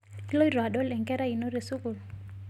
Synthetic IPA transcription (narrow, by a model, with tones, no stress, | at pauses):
ki˦lo˦i˦ɾa˨ɗɔ˦lɛ˨ŋɡɛ˦ɾa˦i˨no˦ɾe˨su˦ku˨l